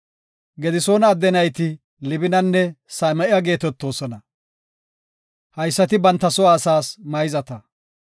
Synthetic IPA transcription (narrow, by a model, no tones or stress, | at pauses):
ɡɛd̪ɪso̞ːnɐːd̪ːɛnɐjt̪ɪ | lɪbɪnɐnːɛsɐmɐʔɪjɐɡe̞ːt̪ɛt̪ːo̞ːsɔnɐ | hɐjsːɐt̪ɪbɐnt̪ːɐsɔaːsaːsmɐjzɐt̪ɐ